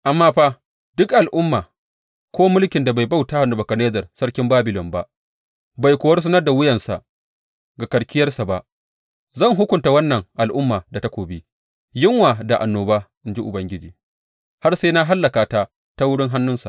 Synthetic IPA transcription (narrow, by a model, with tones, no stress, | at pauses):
ʔa˨mːaː˦ɸaː˦ | d̥ʊ˦kʔa˨lʔʊ˦mːaː˨ | kʷoː˦mʊ˦lkʲɪ˨nda˨ba˨jba˦˨wta˦ha˨nʊ˨bɐ˨kɐ˨neː˦zɐ˨rsɐ˦ɽkʲɪ˦mbaː˦bɪ˨lɔ˨mba˦ʔ | ba˨jkʷːɐ˦rs̬ɐ˦nɐ˦rda˨wʊ˦jɐ˨nsa̰˨ʔ | ɡa˨kɐ˨ɽkʲɪ˦jɐ˦rsa˨ba˨ʔ | zɐ˦˨ŋɦʊ˦kʷʊ˨nta˨wɐ˦nːɐ˨ŋʔa˨lʔʊ˦mːaː˨da˨ta˦kʷoː˨bi˦ | jɪ˦ŋwaː˨da˨ʔa˨nːoː˨ba˦ʔɪ˦nd͡ʒi˦ʔʊ˨bɐ˦ŋɡʲɪ˦d͡ʒiː˨ | ha˦rse˦na˦ɦa˦lːɐ˨kaː˨ta˦ | ta˦wʊ˦ɽɪ˦ŋɦa˦nːʊ˦nsa̰˨ʔ